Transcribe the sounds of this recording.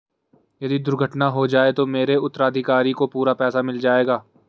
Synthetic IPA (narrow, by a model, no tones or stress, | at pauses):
jɐd̪id̪ʊɾɡʱəʈnaɦod͡ʒaːet̪omeːɾeʊt̪ːəɾaːd̪ʱɪkaːɾikopuːɾapɛːsamɪld͡ʒaːeːɡaː